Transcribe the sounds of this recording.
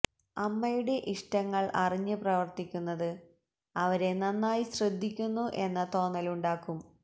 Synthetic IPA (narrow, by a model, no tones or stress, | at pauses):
ɐmːɐjuɽe̞ʔiʂʈɐŋːɐɭʔɐriɲːɨprɐʋɐrt̪ikʲːunːɐðɨ | ɐʋɐɾe̞nɐnːaːjiɕrɨd̪ʱːikʲːunːuʔe̞nːɐt̪o̞ːnːɐluɳɖaːkːum